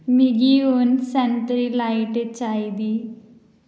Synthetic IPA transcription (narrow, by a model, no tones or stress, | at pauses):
mɪɡiːonsɛnt̪ɾiːlaːɪʈet͡ʃaːiːd̪iː